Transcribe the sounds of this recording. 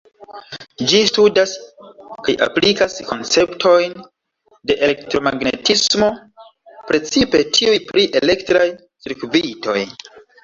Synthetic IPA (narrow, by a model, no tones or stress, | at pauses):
d͡ʒistudaskajʔa̰plikasko̞nt͡se̞ptʰo̞jn | de̞ʔeektɾomaɡnḛtismo̞ | pɾe̞t͡sipe̞tʰiujpɾiʔe̞le̞ktɾaj | siɾkvito̞j